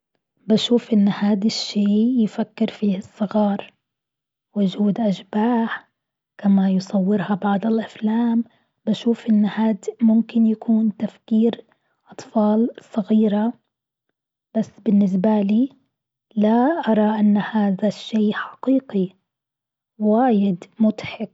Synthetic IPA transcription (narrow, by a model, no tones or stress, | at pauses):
baʃuːfʔɪnːhaːd̪aʃːeːjɪfakːɪɾfiːhɪsˤːɨɣɑːɾˤ | wʊd͡ʒuːd̪ʔaʃbaːħ | kamajʊsˤɑwːɪɾhɑbɑʕd̪ˤɪlʔaflaːm | baʃuːfʔɪnːhaːd̪mʊmkɪnjakʰuːnt̪afkiːɾ | ʔɑt̪ˤfɑːlsˤɑɣiːɾa | b̥asːbɪnːɪs̬baliː | laʔɑɾˤɑʔanːhaːðaʃːeːħḁqiːqi | waːjɪd̪mʊt̪ħɪk